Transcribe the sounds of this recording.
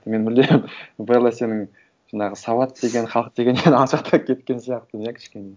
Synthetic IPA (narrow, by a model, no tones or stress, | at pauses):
me̞nbɪld̪e̞ɾɪmbəɾlˠɑse̞nɪŋ | ʒ̥ɑnɑʁəsɑwɑt̪d̪e̞ɡʲe̞nχɑlˠəq̚d̪eɡʲe̞nːenɑʃɑq̚t̪ʰɑkʲʰe̞t̪kʲe̞nsijɑqt̪ənjekʲʰɪ̥ʃkʲe̞ne̞